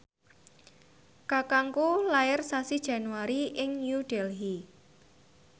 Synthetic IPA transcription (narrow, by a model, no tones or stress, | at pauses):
kakaŋkulaɪrsasid̥ʒ̥a̤nuwaɾiʔɪŋɲjuɖ̥ɛlɦi